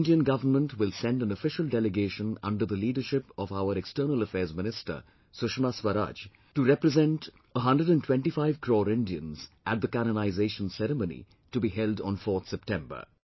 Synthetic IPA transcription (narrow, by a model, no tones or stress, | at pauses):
nɖiə̃nɡʌvənmə̃nʈwɪlsɛ̃ndæ̃nəfɪʃəldɛlɪɡeːʃə̃nʌ̰̃nɖə˞ðəliːɖəʃɪpɔvaʊəɾɛkstəːnələfɛːzmɪnɪstə̰ | sʊʃmaswəɾa̰ːd͡ʒ | ʈuɾɛpɾəzɛ̃nʈ | əɦʌ̃ndɾəɖæ̃ntʰw̥ɛ̃nʈifaɪv̥kʰɾɔːɾɪ̃ndiə̰̃nzʔæt̚d̪əkænənaɪzeːʃə̃n̩sɛɾəmõnḭ | ʈubiɦɛlɖɔ̃nfɔːɾt̪sɛp̚ʈɛ̃mbə̰˞